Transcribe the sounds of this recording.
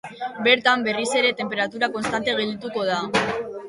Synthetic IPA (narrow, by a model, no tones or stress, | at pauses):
be̞ɾt̪ambe̞rise̞ɾe̞t̪e̞mpe̞ɾat̪uɾako̞nst̪ant̪e̞ɣe̞ld̪it̪uko̞ð̞a